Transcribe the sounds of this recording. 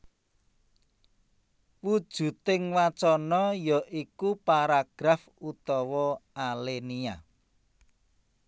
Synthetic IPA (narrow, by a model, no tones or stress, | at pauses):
wud̥ʒ̥ṳt̪ɪŋwat͡ʃɔnɔjɔʔikupaɾaɡ̥ɾafut̪ɔwɔalenia